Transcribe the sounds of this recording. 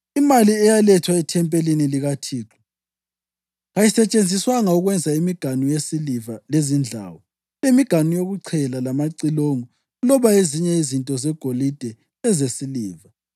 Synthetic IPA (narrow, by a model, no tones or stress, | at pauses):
imaliɛjalɛtʰwaɛtʰɛmpʼeliniliɣatʰiːǁʰɔ̥ | ɣajisɛt͡ʃʼend͡zʱiswaŋauɣwɛnd͡zʱaimiɡ̥ʱanujesilivalezind͡ɮʱa̰ːwɔ | emiɡ̥ʱanujoɣuǀʰɛlalamaǀiloŋɔ | ɣulɔβaeziɲɛizintʼɔzɛɡ̥ʱolid̥ʱɛ | ɛzesiliːva